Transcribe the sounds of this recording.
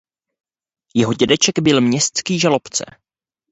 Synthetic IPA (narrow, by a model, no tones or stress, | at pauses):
jɛɦo̞ɟɛdɛt͡ʃɛɡbɪlmɲɛst̪t͡skiːʒalo̞pt͡sɛ̰